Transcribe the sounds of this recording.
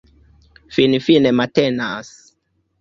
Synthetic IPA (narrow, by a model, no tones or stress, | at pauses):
finifinematenas